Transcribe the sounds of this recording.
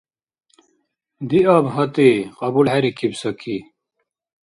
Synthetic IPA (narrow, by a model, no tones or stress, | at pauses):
d̪iabɦɐt̪iqɐbulɦeɾikʰibsɐkʰi